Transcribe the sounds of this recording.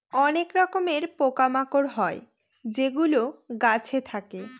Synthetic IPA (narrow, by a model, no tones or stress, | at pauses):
ɔnekɾɔkomeɾpokamakoɾɦɔe | d͡ʑeɡuloɡat͡ɕʰet̪ʰake